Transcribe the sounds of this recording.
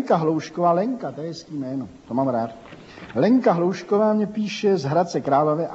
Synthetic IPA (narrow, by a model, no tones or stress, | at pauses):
ŋkaɦlowʃkovaːlɛŋkat̪ɛjɛskiːmɛːnot̪omaːmɾaːt̪ | lɛŋkaɦlowʃkovaːmɲɛpiːʃɛzɦɾat̪t͡sɛkɾaːlovɪʔ